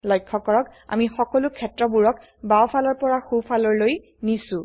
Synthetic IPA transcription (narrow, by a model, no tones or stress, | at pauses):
lɔjkʰːɔkɔɹɔka̰mixɔkɔlʊkʰːɛtɹɔbuɹɔk | bawpʰalɔɹpɔɹaxupʰalɔɹloj | nisʊ̃